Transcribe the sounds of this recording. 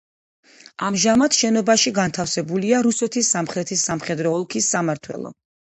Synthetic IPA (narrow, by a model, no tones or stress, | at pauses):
amʒamat̪ʃɛnɔbaʃiɡant̪ʰafsɛbuliaɾusɛt̪ʰisːamχɾɛt̪ʰisːamχɛd̪ɾɔɔlˠkʰisːamaɾt̪ʰwɛ̰lˠɔ̰